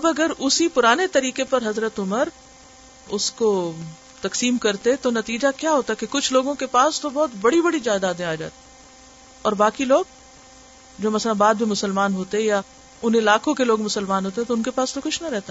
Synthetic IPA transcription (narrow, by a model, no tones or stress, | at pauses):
ɐbɐɡəɾʊsipʊɾaːnet̪ɐɾiːkepɐɾɦɐzɾət̪ʊməɾ | ʊsko | t̪ɐksiːmkɐɾt̪et̪onɐt̪iːd͡ʒakjaːɦoːt̪aɦɛkekʊt͡ʃʰloːɡõkepaːst̪obɔːt̪bɐɽibɐɽid͡ʒaːd̪aːd̪ẽaːd͡ʒa̰ːt̪i̥ | ɔːɾbaːkiloːɡ̚ | d͡ʒoːmɐslãbaːd̪̚bʱimʊsəlmaːnɦoːt̪eɦɛ̃ja | ʊnɪlaːkõkeloːɡmʊsəlmaːnɦoːt̪eɦɛ̃t̪oʊnkepaːst̪okʊt͡ʃʰnɐɾɛɦt̪a